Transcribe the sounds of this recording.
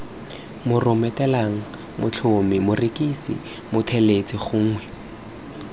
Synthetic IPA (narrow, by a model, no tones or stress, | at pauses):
mʊrʊmɛtɛlaŋ̩ | mʊt͡ɬʰomɪmʊrikisɪ̰ | mʊtʰɛlet͡sʼiχʊŋ̩ːŋwɛ